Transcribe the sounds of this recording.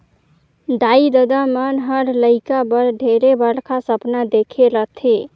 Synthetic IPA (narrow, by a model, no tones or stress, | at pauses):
d̪aid̪əd̪amənɦəɾləɪkabəɾd̪ʱeɾebəɽkʰasəpnad̪ekʰelət̪ʰi